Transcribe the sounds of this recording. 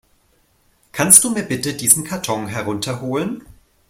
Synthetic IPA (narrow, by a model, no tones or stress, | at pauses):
kʰanst̚d̥uːmiːɐbɪtədiːzn̩kʰaɐtʰɔŋɦɛʁ̞ʊntʰɐɦoːlən